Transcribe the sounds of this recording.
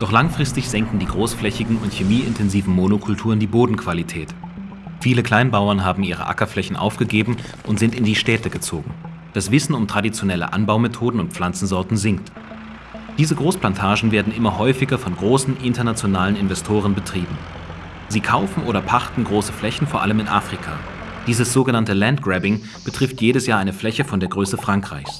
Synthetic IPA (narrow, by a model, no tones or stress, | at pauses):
d̥ɔχlaŋfʁ̥ɪstɪçz̥ɛŋk̩diːɡʁoːsflɛçɪɡŋ̩ʊntçemiːɪ̰ntʰɛnziːvn̩monokʰʊltʰuːʁəndiːboːdn̩kʰv̥alitʰɛːt | fiːləkʰl̥aɪnbaʊɐnɦaːbm̩ʔiːʁ̞ə̰ʔa̰kɐflɛçn̩ʔa̰ʊfɡ̥əɡeːbm̩ | ʔʊntz̥ɪntɪndiːʃtɛːtəɡət͡soːɡŋ̩ | d̥asv̥ɪsn̩ʊmtʁ̥adit͡sjonɛlə̰ʔa̰nbaʊmetʰoːdn̩ʊnt̚p͡fl̥ant͡sn̩zɔɐtn̩zɪŋk̚t | d̥iːzəɡʁoːsplantʰaːʒn̩veːɐdn̩ʔɪmɐɦɔʏfɪɡɐfɔnɡʁoːsn̩ʔɪntɐnat͡sjonaːlənɪnvɛstʰoːʁənbətʁ̥iːbm̩ | ziːkʰaʊfn̩ʔoːɾɐpʰaχtn̩ɡʁoːsə̥flɛçn̩foːɐʔa̰ləmɪnʔa̰ːfʁ̥ikʰa̰ː | d̥iːzəsz̥oːɡənantəlantɡ̥ʁɛbɪŋ | b̥ətʁ̥ɪftjeːɾəsjaːɐʔaɪnəflɛçəfɔndeːɐɡʁøːsəfʁ̥aŋkʁ̥aɪçs